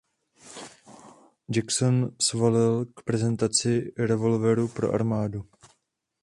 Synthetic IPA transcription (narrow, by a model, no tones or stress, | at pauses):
d͡ʒaksonsvolɪlkpɾɛzɛnt̪at͡sɪɾɛvo̞lvɛɾupɾo̞̰ʔa̰ɾmaːdu